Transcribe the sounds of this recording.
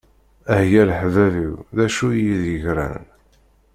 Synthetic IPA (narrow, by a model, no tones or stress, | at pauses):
æhjælħvæviwðæʃujiðjəʝɾæ̰n